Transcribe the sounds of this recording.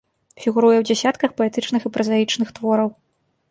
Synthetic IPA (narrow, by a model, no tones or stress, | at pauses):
fʲiɣuɾujɛwd͡zʲɛsʲat̪kɐxpɔɛt̪ɨt͡ʂnɨxipɾɐzajit͡ʂnɨxt̪vɔɾɐw